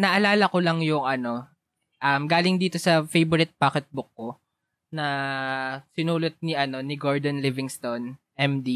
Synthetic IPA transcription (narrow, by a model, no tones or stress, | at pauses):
nɐʔɐlaːlɐkolɐŋjʊŋʔɐno̞ | ʔɐmɡaːlɪŋd̪iːt̪o̞sɐfejbʊɾɪt̪̚paːkɛt̪̚bʊkːo̞ | nɐ | sɪnuːlot̪̚niʔɐno̞nɪɡoɹd̪ɐnlɪvɪŋst̪onʔɛmd̪i